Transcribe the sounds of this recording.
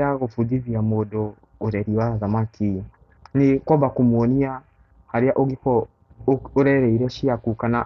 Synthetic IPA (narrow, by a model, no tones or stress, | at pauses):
aɣofudiβiamodɔ | oɾɛɾiwaðamakʰi | nikɔbakumwɔnia | haɾiaʔoɣikɔ | oɾɛɾɛiɾɛʃiakukana